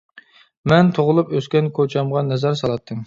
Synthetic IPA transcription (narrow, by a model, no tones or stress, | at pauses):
mɛnt̪ʰoʁʊlˠupøskʲɛnkʰot͡ʃʰɑmʁɑnɛzæɾsɑlˠɑt̪ʰːɨm